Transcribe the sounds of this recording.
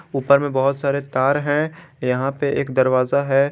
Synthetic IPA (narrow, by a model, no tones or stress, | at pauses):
uːpəɾmẽbɐɦʊt̪saːɾet̪aːɾɦɛ̃jɐɦãpeʔeːkd̪ɐɾʋaːzaɦɛː